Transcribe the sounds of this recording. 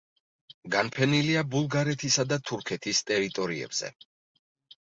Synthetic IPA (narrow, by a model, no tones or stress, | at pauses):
ɡanpʰɛniliabulˠɡaɾɛt̪ʰisad̪at̪ʰuɾkʰɛt̪ʰist̪ʼɛɾit̪ʼɔɾiɛ̰bz̥ɛ̰